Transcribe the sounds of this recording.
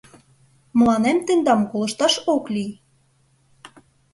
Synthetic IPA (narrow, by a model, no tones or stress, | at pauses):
m̆lɑnæmt̪ĕnd̪ɑmkolɤ̆ʃt̪ɑʃoklij